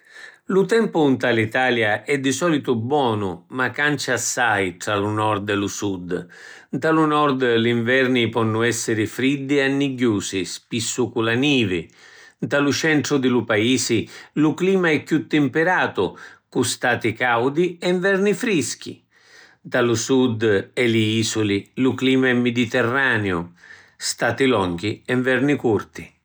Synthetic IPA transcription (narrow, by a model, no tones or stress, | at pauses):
lut̪ɛmpʊnt̪alit̪aːljaʔɛd̪ːɪsɔːlit̪ʊbwɔːnʊmakːant͡ʃasːajʈɾalunɔɾd̪ɛlusud̪ | nt̪alunɔrd̪liɱvɛrnipɔnːʊɛsːɪɾɪfɾid̪ːɪanːiɟːuːsɪspisːukulaniːvɪ̰nt̪alut͡ʃɛɳʈ̪ɾʊd̪ɪlupaiːsɪlukliːmaɛkːut̪ːɪmpeɾaːt̪ʊkust̪aːt̪ikawd̪iɛɱvɛrnifɾisk̟ḭ | t̪alusud̪ɛliiːsulilukliːmaɛmːɪd̪it̪ɛrːaːnjʊ̰ | st̪aːt̪ilɔŋɡiɛɱvɛrnikurt̪i